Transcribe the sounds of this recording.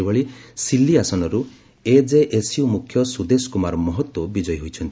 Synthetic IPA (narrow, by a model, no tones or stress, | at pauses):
ebɔɭisilːiasɔnɔɾu | ed͡ʒeʔesiumukʰːjɔsud̪eskumaɾɔmɔɦɔt̪wɔbid͡ʒɔjɦojt͡ʃʰɔnt̪i